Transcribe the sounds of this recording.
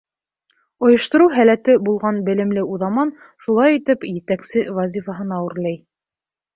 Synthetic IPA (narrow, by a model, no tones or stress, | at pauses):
ŏjŏʃt̪ŏɾuwɦælæt̪ɘbulˠʁɑnbɘ̆lɘ̆mlɘuðɑmɑn | ʃulˠɑjit̪ɘpjɘ̆t̪æksɘvɑzʲifɑɦɤnɑwɘ̆ɾlæj